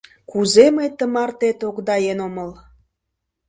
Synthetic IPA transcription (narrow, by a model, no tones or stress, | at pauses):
kuzeməjt̪əmɑrt̪et̪okd̪ɑjenoməl